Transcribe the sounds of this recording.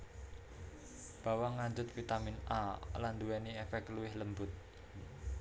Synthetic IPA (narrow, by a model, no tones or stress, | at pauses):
b̥a̤waŋand͡ʒʊt̪̚fit̪aminʔaland̪uwɛniɛfɛkluwɪhləmbʊt̪̚